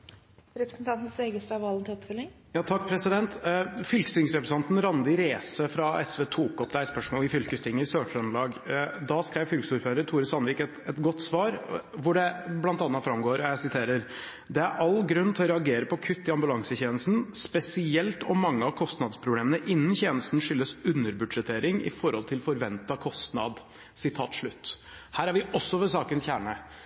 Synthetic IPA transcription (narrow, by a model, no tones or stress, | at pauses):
ɾɛpɾəsn̩t̪ʰɑnt̪n̩seɡəsʈɑʋɑlːənt̪ʰɪɔpfœlːɪŋ | jɑːt̪ʰɑk̚ːpʰɾɛsɪd̪ɛnt̪fʏlksɪŋsɾɛpɾəsɑnt̪n̩ɾɑnd̪ɪɾeːsəfɾɑɛsʋeːt̪ʰuːkɔpd̪æɪspœʂmoːlɪfʏlkəst̪ʰɪŋːəsøːʂœnlɑːɡd̪ɑskɾæɪʋfʏlksuːɾføːɾət̪ʰuːɾəsɑnʋiːkɛt̪ɛt̪ɡɔt̪ːsʋɑːɾʋʊɖɛblɑnt̪ɑnːɑt̪fɾɑmɡoːɾɔjæɪsɪt̪ʰeːɾəɾ | d̪ɛæɾʔɑlɡɾʉnːt̪ʰɛɔɾɛɑɡeːɾəpʰɔkʰʉt̪ːɪɑmbʉlɑŋsəçeːnəst̪n̩spɛsɪɛlt̪ɔmːɑŋːəɑʋkʰɔst̪nɑd̪spʰɾʊbleːmənəʔɪnːənçeːnəst̪n̩ʂʏlːəsʉnːəɾbʉɖ̪ʂɛt̪ʰeːɾɪŋɪ̰fɔɾhɔ̰lt̪ʰɪlfɔɾʋɛnt̪ɑkʰɔst̪nɑ̰d̪ | sɪt̪ʰɑːt̪ʂɭʉt̪ː | hæːɾæɾʋɪɔsːɔʋɛsɑːkənsçæːɳə